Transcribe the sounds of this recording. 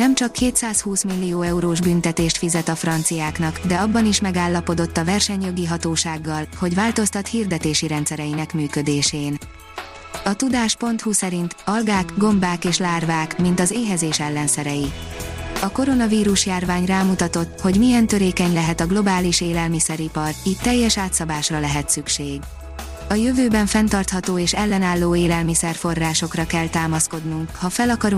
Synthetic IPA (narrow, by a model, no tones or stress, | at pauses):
nɛmt͡ʃɒkːeːt̪saːshuːsmilːijoːɛuɾoːʒbynt̪ɛt̪eːʃt̪fizɛt̪ɒfrɒnt̪sijaːknɒkd̪ɛɒbːɒniʃmɛɡaːlːɒpo̞d̪o̞t̪ːɒvɛrʃɛɲjo̞ɡiɦɒt̪oːʃaːɡːɒlho̞ɟvaːlt̪o̞st̪ɒt̪hiːrd̪ɛt̪eːʃiɾɛnt̪sɛɾɛjinɛkmyːkø̞d̪eːʃeːn | ɒt̪ud̪aːʃpo̞nt̪husɛɾint̪ɒlɡaːkɡo̞mbaːkeːʃlaːrvaːkmint̪ɒzeːɦɛzeːʃɛlːɛnsɛɾɛji | ɒko̞ɾo̞nɒviːɾuʃjaːrvaːɲraːmut̪ɒt̪o̞t̪ːho̞ɟmijɛnt̪ø̞ɾeːkɛɲlɛɦɛt̪ɒɡlo̞baːliʃeːlɛlmisɛɾipɒriːct̪ːɛjːɛʃaːt̪sɒbaːʃrɒlɛɦɛt̪sykʃeːɡ | ɒjøvøːbɛɱfɛnt̪ɒrt̪hɒt̪oːeːʃɛlːɛnaːlːoːeːlɛlmisɛrfo̞rːaːʃo̞krɒkɛlt̪aːmɒsko̞d̪nuŋkhɒfɛlɒkɒɾu